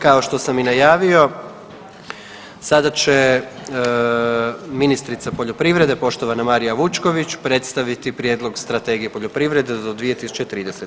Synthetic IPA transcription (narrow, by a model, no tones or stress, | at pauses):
kao̞ʃt̪o̞saminajaːʋio̞ | sad̪at͡ɕe̞ | minist̪ɾit̪sapo̞ʎo̞pɾiʋɾe̞d̪e̞po̞ʃt̪o̞ʋanamaɾijaʋut͡ʃko̞ʋit͡ɕpɾe̞t̪st̪aʋit̪ipɾje̞ːd̪lˠo̞ɡst̪ɾat̪e̞ːɡije̞po̞ʎo̞pɾiʋɾe̞d̪ed̪od̪ʋije̞t̪isu̥t͡ʃe̞t̪ɾiːd̪e̞set̪